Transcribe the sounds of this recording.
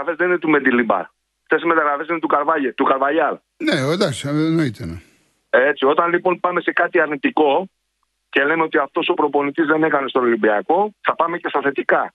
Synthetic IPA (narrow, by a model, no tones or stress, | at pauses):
ɐfezðe̞ninet̪ume̞d̪ilibɐ̰ɾ | ft̪e̞sime̞t̪ɐɣɾɐfesinet̪ukɐɾvɐʎet̪ukɐɾvɐjɐl | neod̪ɐksnoit̪enɐ | e̞t͡sio̞t̪ɐnlipo̞npɐme̞se̞kɐt̪iɐɾnit̪iko̞ | ce̞le̞meot̪iɐft̪o̞so̞pɾo̞po̞nit̪izðe̞ne̞kɐne̞st̪onolimbiɐko̞θɐpɐme̞ce̞st̪ɐθe̞t̪ikɐ